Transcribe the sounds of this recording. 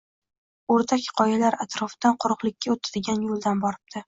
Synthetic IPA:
oɾt̪ʰakʲqʰɒjalaɾat̪ɾɒfɪd̪̥anqʰʊɾʊqlˠɪkʲʰːaot̪ʰad̪ɪɡʲanjolˠd̪anbɒɾɪb̚t̪ʰɪ

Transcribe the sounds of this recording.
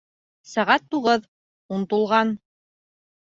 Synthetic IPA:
sæʁæt̪ːuʁɤð | unt̪ŭlˠʁɑn

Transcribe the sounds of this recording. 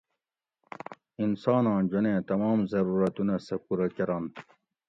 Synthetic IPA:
insɑːnɑ̃ːnd͡ʑonẽːt̪ɐmɑːmzɐɾuːɾɐt̪unɐsɐkuɾɐkɐɾan

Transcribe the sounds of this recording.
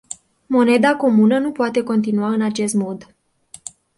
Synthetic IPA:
mo̞ne̞d̪ako̞munənupoat̪e̞ko̞nt̪inuaɨnat͡ʃe̞st̪mo̞d̪

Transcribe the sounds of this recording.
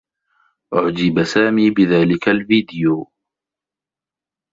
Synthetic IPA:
ʔʊʕd͡ʒɪbasaːmiːbɪðaːlɪkalviːd̪ɪjoː

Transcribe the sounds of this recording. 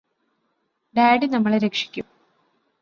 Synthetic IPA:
ɖaːɖinɐmːɐɭɾekʂi̥kʲːum

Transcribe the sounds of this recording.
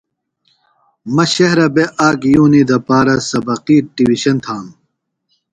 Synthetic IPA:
mɐɕɐɦɾɐbeʔaːɡjuːnid̪ɐpaːɾɐsɐbɐqiːɖiwiɕɐnt̪ʰaːm

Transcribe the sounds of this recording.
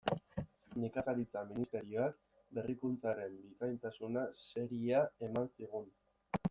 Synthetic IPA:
nikasaɾit͡saminist̪e̞ɾio̞ak | be̞rikunt͡saɾe̞mbikajnt̪asunase̞ɾiae̞mansiɣun

